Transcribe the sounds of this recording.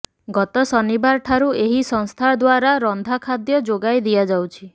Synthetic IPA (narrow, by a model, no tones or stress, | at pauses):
ɡɔt̪ɔsɔnibaɾʈʰaɾueɦisɔŋst̪ʰad̪waɾaɾɔnd̪ʱakʰad̪jɔd͡ʒoɡajd̪iad͡ʒawt͡ʃʰi